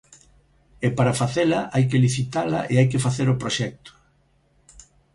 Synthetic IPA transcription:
epaɾafaθelɐʔajk̬eliθit̪alɐ̰ʔeajk̬ɪfaθeɾopɾoʃɛk̚t̪ʊ̥

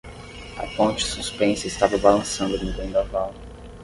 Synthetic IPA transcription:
ɐ̰põnt͡ʃɪ̥suspẽsɐɪst̪avɐbalɐ̃sɐ̃nd̪ʊmubẽd̪avaw

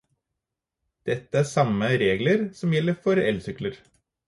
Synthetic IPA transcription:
d̪̥ɛt̪ːəæːsɑməɾeːɡləɾsɔmjɛlːəfɔɾɛlsʏkləɾ

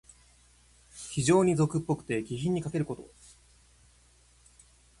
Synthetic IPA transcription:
çiʑo̞ːɲ̟izo̞kɯ̟pːo̞kɯ̟̥t̪e̞ɡʲiçʲĩɲ̟ːikake̞ɾɯ̟ko̞t̪o̞̰

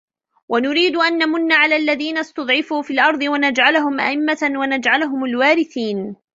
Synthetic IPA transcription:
wʔanʊɾiːd̪ʊʔanːamʊnːaːʕalaːlːaðiːnast̪ɑd̪ˤʕɪfuːfiːlʔɑɾˤd̪ˤɨwanad͡ʒʕalɦʊmʔa̰ʔɪmːawanad͡ʒʕalʊɦʊmalwaːɾɪθiːn

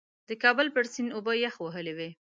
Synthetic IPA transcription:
d̪əkɑbəlpəɽsinʊbəjaxwəɦəlewe

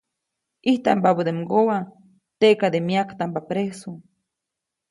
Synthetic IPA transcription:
iht̪a̰mpabud̪emɡowa | t̪eʔkad̪emiakt̪ampapɾeso

